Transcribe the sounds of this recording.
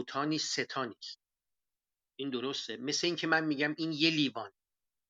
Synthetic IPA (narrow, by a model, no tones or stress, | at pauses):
t̪ʰɒːniːsːet̪ʰɒːniːs | ʔind̪oɾo̞st̪eme̞sleiːŋcʰe̞mænmiːɟæminje̞liːvɒːne